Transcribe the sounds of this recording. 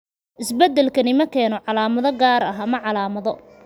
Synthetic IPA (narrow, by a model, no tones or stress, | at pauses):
ʔɪsbɛd̪ːɛlkʰɐnɪmɐkʰɛːnɔʕɑlaːmɐðɔɡaːɾɐɦɐmɐʕɑlaːmɐðɔ